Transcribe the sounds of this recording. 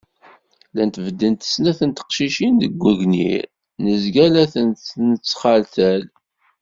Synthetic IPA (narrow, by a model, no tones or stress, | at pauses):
lænt̪vəd̪ːənt̪ə̥snæθənt̪ə̥qʃiʃind̪əɡʷːəʝnḭɾ | nəzɡælæθənnət͡sːχalθæl